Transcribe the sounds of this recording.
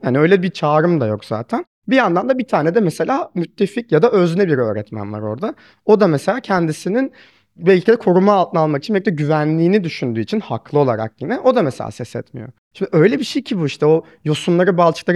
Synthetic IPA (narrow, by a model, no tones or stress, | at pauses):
haniø̞jlʲɛbit͡ʃʰaːɾɯmd̪ajo̞̰kza̰ːt̪ʰæn | bijand̪and̪abit̪ʰaːnɛd̪ɛmɛse̞lʲaːmyt̪ʰːe̞ficjad̪aø̞zynɛbiɾø̞̰ːɾɛt̪mæ̰nlʲa̰ɾo̞̰ɾd̪a | o̞d̪amɛse̞lʲaːcʰɛnd̪isinin | bɛlʲcʲicʰid̪ɛkʰo̞ɾumaːlˠt̪nalˠmakit͡ʃʰinhɛc̪̚t̪ɛɟyvænlʲiːnid̪yʃynd̪yːit͡ʃʰinhaklˠɯo̞lˠaɾa̰k̚jinɛʔo̞d̪amɛsḛlʲa̰ːsɛsɛ̰t̪mḭjo̞̰ | t͡ʃʰimd̪iø̞jlʲɛbiʃejcʰibuiʃt̪ʰɛo̞ | jo̞sunlˠaɾɯbalˠt͡ʃlˠaɾ